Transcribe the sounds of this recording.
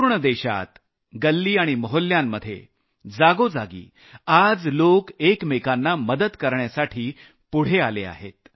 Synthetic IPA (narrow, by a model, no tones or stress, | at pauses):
ɾɳəd̪eɕa̰t̪ | ɡəlːiːaɽ̃iməɦolːjamːəd̪ʱːjḛ | d͡zaɡod͡zaɡḭː | ad͡zlokekmekanːaməd̪ət̪kəɾɳjasaʈʰiː | puɽ̤ealea̰ɦḛt̪̚